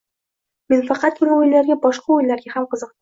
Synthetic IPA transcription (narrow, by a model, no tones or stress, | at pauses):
me̞nfɑqɑt̪̚kʰʊɾɪojlaɾɡʲabɒʃqɑʊjlaɾɡʲahamqʰɨzɨq̚t̪